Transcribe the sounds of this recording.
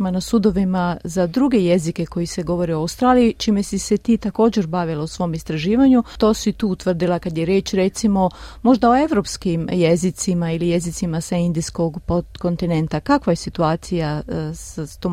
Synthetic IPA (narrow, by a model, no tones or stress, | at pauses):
manasud̪o̞ʋimazad̪ɾuɡe̞je̞zike̞ko̞jise̞ɡo̞ʋo̞ɾioawst̪ɾaːlijit͡ʃiːmesise̞t̪iːt̪ako̞ːd͡ʑe̞ɾbaʋilausʋo̞ːmist̪ɾaʒiːʋaɲut̪o̞ːsit̪uːut̪ʋr̩d̪ilˠakad̪jeɾjeːt͡ʃɾe̞t̪simo̞mo̞ʒd̪ao̞e̞ʋɾo̞pskimjezit̪simailije̞zit̪simasaind̪isko̞ɡpoko̞nt̪ine̞nt̪akakʋaje̞sit̪uaːt̪sijasat̪o